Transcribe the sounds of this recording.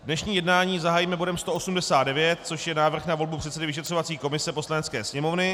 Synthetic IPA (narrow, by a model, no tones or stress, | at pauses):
dnɛʃɲiːjɛdnaːɲiːzaɦaːjimɛbo̞dɛmst̪o̞ʔosumdɛsaːd̪dɛvjɛt̪̚t͡so̞ʃjɛnaːvr̩xnavo̞lbupr̥ɛt̪sɛdɪvɪʃɛt̪r̝̥o̞vatt͡siːko̞mɪsɛpo̞slanɛtt͡skɛ̰ːsɲɛmo̞vnɪ